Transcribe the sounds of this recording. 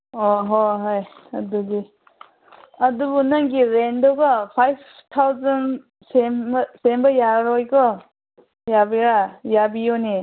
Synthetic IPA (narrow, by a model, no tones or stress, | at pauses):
ɔɦoɦajɐduɡi | ɐdubunaŋɡiɾendɔɡɔpʰajpʰtʰawzan | semsembɐjaɾɔjkɔ | jabiɾajabijoni